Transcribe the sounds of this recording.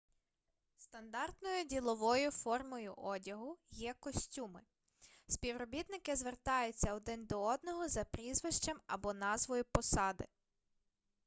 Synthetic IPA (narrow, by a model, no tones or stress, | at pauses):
st̪ɐnd̪ɑrt̪nɔjʊdʲilˠɔʋɔjʊfɔrmɔjʊʔɔdʲɐɦʊjɛkɔsʲtʲumɪ | sʲpʲiwɾɔbʲit̪nɪkɪzʋert̪ɑjʊt͡sʲːɐɔd̪ɪnd̪ɔɔd̪nɔɦɔzɐpɾʲizʋɪʃt͡ʃɐmɐ̰bɔnɑzʋɔjʊpɔsɑd̪ɪ̰